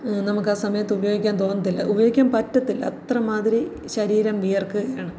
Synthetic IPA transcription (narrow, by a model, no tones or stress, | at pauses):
nɐmukːaːsɐmɐjɐt̪ːɨubɐjoːɡikʲːaːnt̪o̞ːnːɐt̪ːilːɐ̰ʔubɐjo̞ːɡikʲːaːmpɐtːɐt̪ːilɐ̰t̪rɐmaːðiɾi | ɕɐɾiːɾɐmʋijɐrkːɨɣɐjaːɳɨ